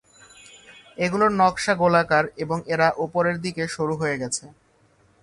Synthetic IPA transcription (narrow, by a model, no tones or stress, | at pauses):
eɡuloɾnɔkʃaɡolakaɾeboŋeɾaʔupoɾeɾd̪ikeʃuɾuɦoeɡɛt͡ɕʰe